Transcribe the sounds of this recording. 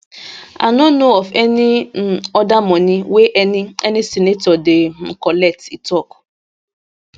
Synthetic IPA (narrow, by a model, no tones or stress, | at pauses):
a̰nɔnoɔfenɪɔdamɔnɪweʔenɪsinetɔdɪm̩kɔlɛtitɔkʊ̥